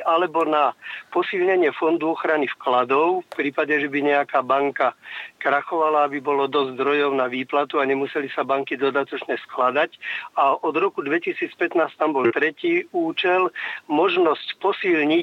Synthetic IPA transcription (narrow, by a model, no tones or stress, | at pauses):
alɛbɔnapɔsilɲɛɲɪɛfɔnd̪uɔxɾanifklad̪ɔʊfpɾiːpaɟɛʒɛbiɲɛakaːbaŋkakɾaxɔʋalaːbibɔlɔd̪ɔzd̪ɾɔjɔʊnaʋiːplat̪uaɲɛmusɛlisabaŋkid̪ɔd̪at̪ɔt͡ʃɲɛsklad̪acaʔɔd̪ɾɔkud̪ʋɛcisiːt͡spɛt̪naːst̪ambɔlt̪ɾɛciːuːt͡ʃɛlmɔʒnɔscpɔsilɲi